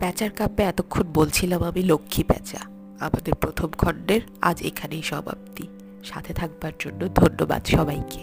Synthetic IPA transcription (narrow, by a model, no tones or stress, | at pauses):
pɛt͡ɕaɾkapeɛt̪okʰːonbolt͡ɕʰilamamilokʰːipɛ̰t͡ɕa̰ | amad̪eɾpɾot̪ʰomkʰɔɳɖeɾa̰d͡ʑḛkʰanejʃɔbʱa̰b̚t̪i | ʃa̰t̪ʰet̪ʰak̚baɾd͡ʑonːod̪ʱonːoba̰d̪ʃɔbajke